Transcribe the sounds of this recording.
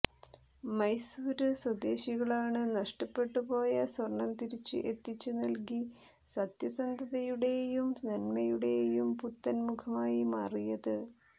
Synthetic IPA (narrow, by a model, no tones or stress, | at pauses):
mɐjsuːɾɨswɐd̪e̞ːɕiɣɐɭaːɳɨnɐʂʈɐpːe̞ʈːupo̞ːjɐswɐrɳɐmt̪iɾit͡ɕːɨ̰ʔe̞t̪ːit͡ɕːunɐlki | sɐt̪jɐsɐnd̪ʱɐðɐjuɽe̞jumnɐnmɐjuɽe̞jumput̪ːɐnmukʰɐmaːjimaːrijɐðɨ